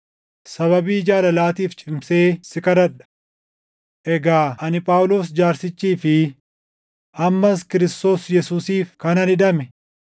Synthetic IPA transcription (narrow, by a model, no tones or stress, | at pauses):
sɐβɐbiːd͡ʒaːlɐlaːt̪iːft͡ʃʼɪmse̞ːsɪkɐɾɐᶑɐ̥ | ʔɛɡaːʔɐnɪpʼaːwʊlo̞ːsd͡ʒaːɾsɪt͡ʃːiːfɪ | ʔɐmːɐskɪɾɪst̪o̞ːsjɛsuːsiːfkɐnɐnɪᶑ̪ɐmɛ